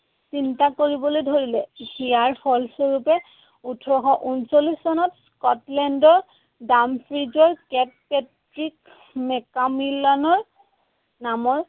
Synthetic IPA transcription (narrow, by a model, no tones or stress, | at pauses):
sintakoɹibɔlojdʱoɹilɛxiaɹfʰɔlsoɹupɛ | utʰɔɹɔxɔʔunsolisːɔnɔtskɔtlɛndɔɹ | dampʰɹizɔɹkɛt̚pɛt | ɹik | mɛkamilɔnɔɹ | namɔɹ